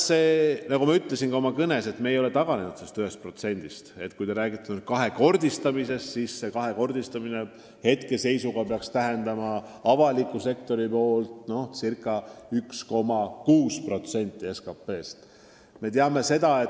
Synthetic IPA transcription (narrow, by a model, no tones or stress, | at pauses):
seːnɑɡumɑyt̪ˑlesinɡɑo̞mɑkɤne̞se̞t̪meːjo̞let̪ɑɡ̥ɑne̞nud̪̥sest̪yɦhe̞st̪̚pro̞t̪se̞nʲd̪ist̪e̞̰t̪ːkujt̪eɾæːɡ̥it̪ːˑɑnud̪̥̚kɑɦe̞ko̞rd̪̥ist̪ɑmise̞st̪sisːe̞kɑɦe̞ko̞rd̪̥ist̪ɑmine̞ | he̞t̪ke̞se̞jsuɡ̥ɑpeɑkst̪æɦe̞nd̪̥ɑmɑɑvɑlikːˑuse̞kt̪o̞ɾipo̞ːlt̪ˑno̞hsirkːˑɑyksko̞mɑkuːspro̞t̪se̞nʲt̪ːˑie̞skɑpːe̞ːst̪ | me̞t̪eɑme̞se̞d̪ɑe